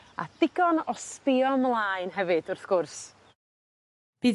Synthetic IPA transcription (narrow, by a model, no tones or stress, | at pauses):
a̰d̥ɪɡɔnɔspɪɔmlˠaɨnɦɛvɨd̥ʊrθɡ̥ʊrs | b̥iː